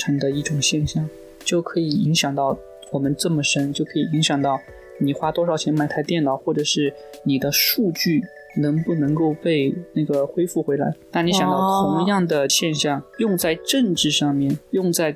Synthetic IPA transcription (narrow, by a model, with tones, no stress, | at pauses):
ʈ͡ʂʰɤ˧˥ŋd̪ə˧i˥˩ʈ͡ʂʊ˨˩ŋɕjɛ˥˧nɕjɑ˥˩ŋ | t͡ɕjo˥˩ʊkʰɤ˧˥i˨˩i˧˥ŋɕjɑ˨˩ŋt̪ɑ˥˩ʊ | wɔ˨˩mə˦nʈ͡ʂɤ˥˩mə˩ʂə˥nt͡ɕjo˥˩ʊkʰɤ˧˥i˨˩i˧˥ŋɕjɑ˨˩ŋt̪ɑ˥˩ʊ | ni˨˩xwa˥t̪wɔ˥ʂɑ˧˩ʊt͡ɕʰjɛ˧˥nma˥˩ɪt̪ʰa˥t̪jɛ˥˩nɑ˨˩ʊxwɔ˥˩ʈ͡ʂɤ˨˩ʂɻ̩˥˩ | ni˨˩d̪ə˦ʂu˥˧t͡ɕy˥˩ | nɤ˧˥ŋpu˥˩nɤ˧˥ŋko˥˧ʊpe˥˧ɪna˥˩ɡə˩xwe˥ɪfu˥˩xwe˧˥ɪla̰˧˥ɪna˥˩ni˥ɕɑ˨˩ŋt̪ɑ˥˩t̪ʰʊ˧˥ŋjɑ˥˩ŋd̪ə˩ɕjɛ˥˧nɕjɑ˥˩ŋjʊ˥˧ŋt͡sa˥˧ɪʈ͡ʂɤ˥˧ŋʈ͡ʂɻ̩˥˧ʂɑ˥˧ŋmjɛ˥˩njʊ˥˧ŋt͡sa˥˧ɪ